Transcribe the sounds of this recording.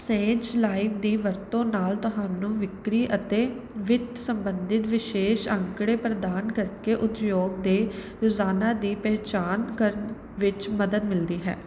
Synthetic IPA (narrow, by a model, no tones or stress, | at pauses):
sẽːt͡ʃlaːiʋd̪iːʋəɾt̪õːnaːlt̪ʊɦaːnũːʋɪkɾiːʔət̪eː | ʋɪt̪səmbənd̪ɪt̪ʋɪʃeːʃə̃ŋkɽeːpɾəd̪aːnkəɾkeːʔʊt̪joːɡ̚d̪eː | ɾoːzaːnaːd̪iːpɛːt͡ʃaːnkəɾən | ʋɪt͡ʃməd̪əd̪mɪld̪iːɦɛ̰ː